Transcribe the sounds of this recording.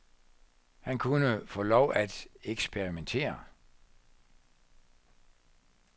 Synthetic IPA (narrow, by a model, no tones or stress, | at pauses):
hænkʰunəfɔ̰̽ːlɒʊ̰æd̥eɡ̥sb̥eʁiment͡sʰe̝̰ːɐ